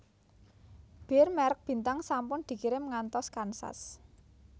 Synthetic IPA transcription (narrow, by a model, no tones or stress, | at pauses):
b̥e̤rmɛɾək̚b̥i̤nt̪aŋsampʊnd̪̥i̤kiɾɪmŋant̪ɔskansa̰s